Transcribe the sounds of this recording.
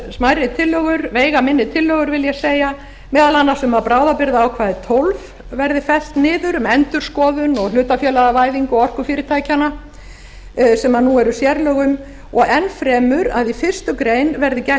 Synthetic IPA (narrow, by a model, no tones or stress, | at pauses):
smajɾɪt̪ʰɪlːœɣʏɾveːjɣamɪnːɪt̪ʰɪlːœɣʏɾvɪljɛseːja | mɛːðalanːasʏmapɾaːwðapɪɾðaːwkʰvaːðɪt̪ʰowlv | vɛɾðɪfɛl̥t̪nɪːðʏɾʏmɛnt̪ʏɾ̥skɔːðʏnɔɣlʏːt̪afjɛːlaɣavaːjðiŋkʏɔɔr̥kʏfɪːɾɪt̪ʰaːjcana | sɛmaðnuɛɾʏsjɛɾlœɣʏm | ɔɣɛnfɾɛːmʏɾaðifɪr̥st̪ʏkɾeːjnvɛɾðɪcɛ